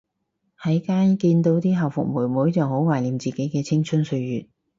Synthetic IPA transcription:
hɐ˨˥jkaː˥nkiː˧nt̪o˨˧˥wt̪iː˥ɦɐ˨wfʊ̰˨k̚muː˨˩jmuː˨˥jt͡sɐ˨who˨˥wwaː˨jliː˨˩mt͡siː˨˩ke˨˥jkɛː˧t͡sʰɪ˥ŋt͡ʃʰɵ˥nsɵ˧ɥjyː˨˩t̚

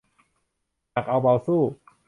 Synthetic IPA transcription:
ja˨˩k̚ʔa˧wba˧wsuː˥˩

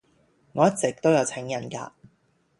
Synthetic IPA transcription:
ŋɔː˨˦jɐ˥t̚t͡sɪ˨k̚t̪o˥wjɐ˨˧wt͡sʰɛ˨˥ŋjɐ˨˩nka̰ː˧

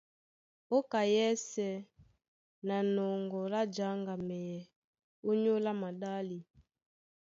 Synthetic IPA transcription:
o˦ka˨jɛ˦sɛ˨ | na˨nɔ˨ŋɡɔ˨ɾa˦d͡ʒa˨˦ŋɡa˨mɛ˨jɛ˨ | o˦ɲo˦la˦ma˨da˦li˨

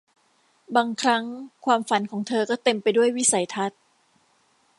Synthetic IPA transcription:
baː˧ŋkʰɾa˦˥ŋkʰwaː˧mfa˨˩˦nkʰɔː˩˦ŋt̪ʰɤː˧kɔː˥˩t̪e˧mpa˧jdu˥˩əjwi˦˥sa˨˩˦jt̪ʰa˦˥t̪̚

